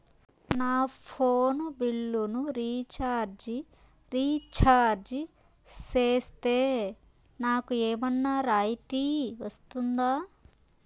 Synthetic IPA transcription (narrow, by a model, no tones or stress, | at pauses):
naːpʰoːnbiɭːunuɾiːt͡ʃaːɾd͡ʒi | ɾiːt͡ʃaːɾd͡ʒ | seːst̪eː | naːkueːmɐnːaɾaːjit̪iʋɐst̪und̪aː